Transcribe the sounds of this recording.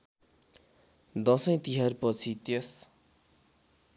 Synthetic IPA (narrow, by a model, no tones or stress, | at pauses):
d̪ʌsʌj̃t̪iɦarpʌt͡sʰit̪es